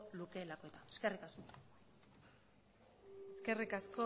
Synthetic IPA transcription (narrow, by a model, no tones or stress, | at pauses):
luke̞lakoe̞t̪aeskerikasko | eske̞rikasko